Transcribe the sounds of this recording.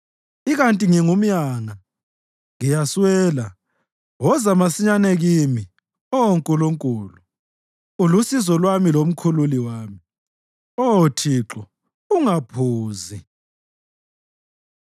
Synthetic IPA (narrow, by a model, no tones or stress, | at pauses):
iɣantʼiŋiŋum̩jaːŋa | ŋijaswɛːla̰ | wɔzamasiɲanɛɣimi | ɔwoŋkʼuluŋkʼuːlu | ulusizɔlwamilom̩kʰululiwaːmi | ɔwotʰiǁɔ | uŋapʰuːzi